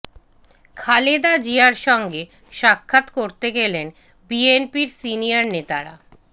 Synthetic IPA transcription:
kʰaled̪ad͡ʑiaɾʃɔŋɡe | ʃakʰːat̪koɾt̪eɡelen | bienpiɾsinijaɾnet̪aɾa̰

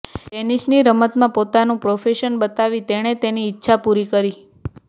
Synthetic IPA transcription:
ʈenisniɾəmət̪mãpot̪anũpɾofeʃənbət̪aʋit̪eɽ̃et̪eniːtːʃʰapuɾikəɾi

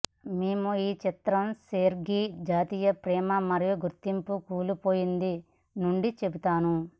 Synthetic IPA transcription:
meːmuiːt͡ʃit̪ɾɐmseːɾɡid͡ʒaːt̪iːjɐpɾɛːmɐmɐɾijuɡuɾt̪ːimpukuːlupo̞ːjind̪i | nuɳɖit͡ʃe̞but̪aːnu

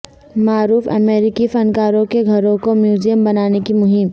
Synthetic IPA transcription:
maːɾuːfɐ̰meːɾɪkifɐ̃nkaːɾõkeɡʱɐɾõkomjuːzijəmbɐnaːnekimʊɦɪm

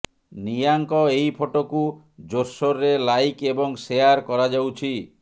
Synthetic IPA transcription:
nijaŋkɔejpʰoʈoku | d͡ʒoɾsoɾːelajkebɔŋsejaɾkɔɾad͡ʒawt͡ʃʰi

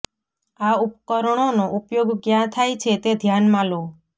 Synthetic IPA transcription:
aupkɔɾɽ̃onoʔupjoɡkjãt̪ʰajt͡ʃʰet̪ed̪ʱjanmãlo

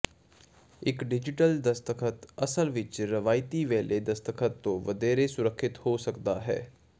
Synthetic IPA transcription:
ɪkɖɪd͡ʒɪʈəld̪əst̪əkʰət̪əsəlʋɪt͡ʃɾəʋaːɪt̪iːʋeːlʔeːd̪əst̪əkʰət̪ːõːʋəd̪eːɾeːsʊɾəkʰːɪt̪hoːsəkd̪aːɦɛ̰ː

